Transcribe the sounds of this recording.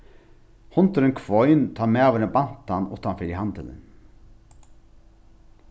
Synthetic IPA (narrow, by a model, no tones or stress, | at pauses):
hʊnt̪əɾənkʰʋɔʏnt̪ʰɑːɾmeːɑːʋəɾəbɑnt̪ɑnṵːt̪ɑnfœɾɪhɑnd̪ələ̰n